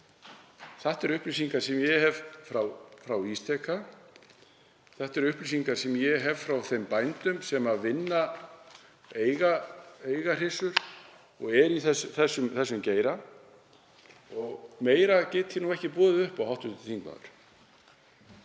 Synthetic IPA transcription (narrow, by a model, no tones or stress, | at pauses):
θaht̪ɛɾʏhplis̬iŋkḁsɛmjɛhɛvfɾawfɾawist̪ʰɛkʰa | θɛht̪ɛɾʏhplis̬iŋkaɾ̥sɛmjɛɦɛv̥fɾawθejmpajnt̪ʏmsɛmaðvɪnːa | eːjɣaejɣar̥ɪsʏɾ̥ | ɔɣɛɾiθɛsθɛsːʏmθɛsːʏmceːjɾa | ɔɣmeːjɾacɛːt̪çɪnuɣɛhcɪpɔːðɪʏhpawhawht̪ʏt̪ɪ̥t̪ʰiŋkma̰ðʏ̰ɾ̥